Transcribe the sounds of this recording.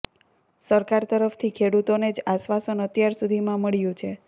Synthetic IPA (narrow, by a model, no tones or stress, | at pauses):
səɾkaɾt̪əɾəft̪ʰikʰeɽut̪oned͡ʒaʃʋasənət̪jaɾsud̪ʱimãməɭjũt͡ʃʰe